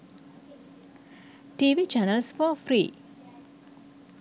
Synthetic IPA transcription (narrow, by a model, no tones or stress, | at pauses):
ʈiːʋiːt͡ʃanəlsfɔfɾiː